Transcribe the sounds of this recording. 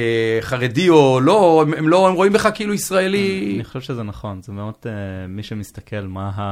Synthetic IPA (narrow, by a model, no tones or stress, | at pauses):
χaʁedio̞lo̞ememlo̞emʁo̞imbeχakːeiːluisʁaeliniχoʃɛvʃezenaχo̞nzemeodemiʃemist̪akʰelmaɦa